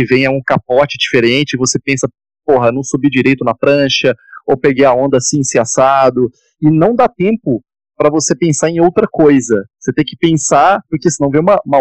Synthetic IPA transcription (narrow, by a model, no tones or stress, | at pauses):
ɪvẽj̃ɐũkap̚ɔt͡ʃɪd͡ʒifeɾẽnt͡ʃɪɪvosepẽsɐ | poɦɐnɐ̃w̃subid͡ʒiɾejt̪ʊnɐfɾɐ̃ʃɐowpeɡejɐõnd̪ɐsĩĩsiasad̪ʊ | ɪnɐ̃w̃d̪at̪ẽmpʊ | pɾɐvosepẽsaɾẽj̃owt̪ɾɐkojzɐoset̪ẽj̃kɪ̥pẽsaɾpʊɾkesɪnɐ̃w̃vẽũmɐũmɐ